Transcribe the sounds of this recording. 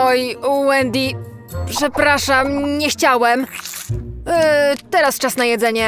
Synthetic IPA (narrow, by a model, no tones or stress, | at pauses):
ɔjwɛnd̪ʲi | pʂɛpɾaʂamɲɛxt͡ɕawɛm | t̪ɛɾast͡ʂasnajɛd̪zɛɲɛ